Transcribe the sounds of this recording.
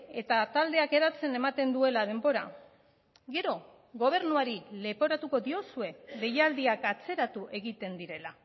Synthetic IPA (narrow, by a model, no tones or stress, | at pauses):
e̞t̪at̪ald̪e̞ake̞ɾat͡se̞ne̞mat̪e̞nd̪ue̞lað̞e̞mbo̞ɾa̰ | ɡe̞ɾo̞ | ɣo̞β̞e̞ɾnuaɾile̞po̞ɾat̪uko̞ðio̞sue̞ðe̞jald̪iakat͡se̞ɾat̪uʔe̞ɣit̪e̞nd̪iɾe̞la